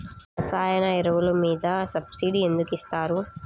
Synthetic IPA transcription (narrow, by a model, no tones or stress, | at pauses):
ɐsaːjɐnɐɛɾɐʋulɐmiːd̪ɐsɐbsiːɖie̞nd̪ukist̪aːɾu